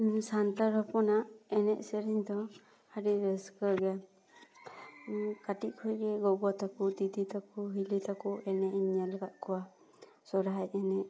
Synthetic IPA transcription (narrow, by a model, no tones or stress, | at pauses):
sant̪aɾɔpɔnaʔɛnɛʔsɛɾiɲd̪ɔ | haɾiɾɛskəɾɡɛ | kaʈiʔkʰɔjɡɛɡɔɡɔt̪akut̪it̪it̪akuɦilit̪akuʔɛnɛʔiɲalɡaʔkʰɔwa | sɔɾaɦajɛnɛʔ̚